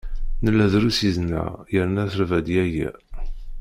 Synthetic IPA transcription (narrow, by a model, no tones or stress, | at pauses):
nəlːæðɾusiznæ̰jəɾnæθəɾvæd̪jæjæ̰